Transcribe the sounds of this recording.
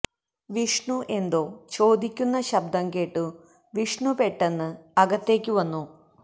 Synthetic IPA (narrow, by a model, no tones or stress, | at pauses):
ʋiʂɳuʔe̞nd̪o̞ːt͡ɕo̞ːd̪ikʲːunːɐɕɐbd̪ɐŋɡe̞ːʈːɨ | ʋiʂɳupe̞ʈːenːɨɐɡɐt̪ːe̞ːkʲːɨʋɐnːu